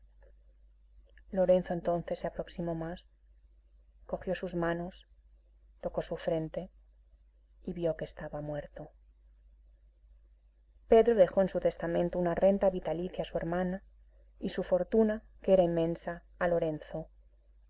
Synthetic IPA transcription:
lo̞ɾe̞nθoent̪o̞n̟θe̞sːeapɾo̞ksimo̞mas | ko̞xjo̞suzmãno̞s | t̪o̞ko̞sufɾe̞nt̪e̞ | iβjo̞kest̪aβamwe̞ɾt̪o | pe̞ðɾo̞ðe̞xo̞ensut̪est̪amẽnt̪ounare̞nt̪aβit̪aliθjasue̞ɾmãna | isufo̞ɾt̪una | keɾaimːẽ̞nsaː | lo̞ɾe̞nθo̞

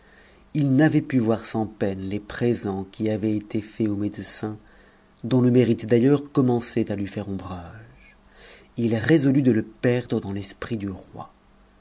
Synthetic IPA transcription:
ilnavɛpyvwaʁsɑ̃pɛnlepχezɑ̃kʲiavɛet̪efɛomed̪əsɛ̃ | d̪ɔ̃ləmeʁit̪d̪ajœʁkɔmɑ̃sɛt̪alɥifɛʁɔ̃bʁaʒ | ilʁezɔlyd̪ələpɛʁd̪ʁəd̪ɑ̃lɛspχid̪yʁwa̰

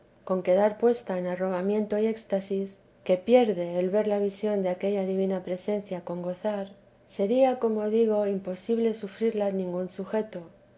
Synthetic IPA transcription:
ko̞ŋke̞ð̞aɾpwe̞st̪aenaro̞βamjẽ̞nt̪o̞ie̞kst̪asis | ke̞pje̞ɾðe̞ːlβe̞ɾlaβ̞isjo̞nd̪eake̞ʎaðiβ̞inapɾe̞se̞n̟θjako̞ŋɡo̞θaɾ | se̞ɾiako̞mo̞ðiɣ̞o̞impo̞siβ̞le̞sufɾiɾlanĩŋɡunsuxe̞t̪o̞

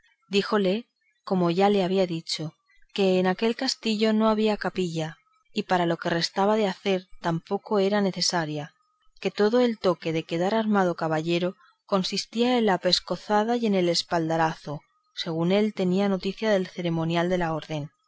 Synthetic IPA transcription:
d̪ixo̞le̞ | ko̞mo̞ʝale̞aβ̞iaðit͡ʃo̞ | ke̞ːnake̞lkast̪iʎo̞no̞aβiakapiʎa | ipaɾalo̞ke̞re̞st̪aβ̞aðe̞aθe̞ɾt̪ampo̞ko̞e̞ɾane̞θe̞saɾja | ke̞t̪o̞ðo̞e̞lt̪o̞ke̞ðe̞ke̞ðaɾaɾmað̞o̞kaβaʎe̞ɾo̞ | ko̞nsist̪iae̞nlape̞sko̞θað̞aje̞ne̞le̞spald̪aɾaθo̞ | se̞ɣ̞une̞lt̪e̞niano̞t̪iθjaðe̞lθe̞ɾe̞mõ̞njald̪e̞lao̞ɾðe̞n

